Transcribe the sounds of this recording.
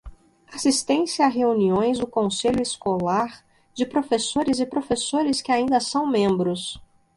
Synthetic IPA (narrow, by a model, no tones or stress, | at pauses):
asist̪ẽsaɦeuniõj̃zd̪ʊkõseʎʊɪskolaɾ | d͡ʒɪpɾofesoɾɪzɪpɾofesoɾɪskɪaĩnd̪ɐsɐ̃w̃mẽmbɾʊs